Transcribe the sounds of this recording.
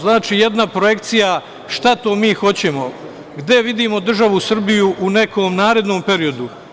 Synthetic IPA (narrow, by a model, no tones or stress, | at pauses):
znaːt͡ʃiːje̞d̪napɾoje̞kt̪sija | ʃt̪at̪o̞ːmiːxo̞t͡ɕe̞mo̞ | ɡd̪e̞ʋid̪iːmo̞d̪r̩ʒaʋusr̩bijuʔune̞kʰoːmnaːɾe̞d̪no̞ːmpe̞ɾijo̞d̪u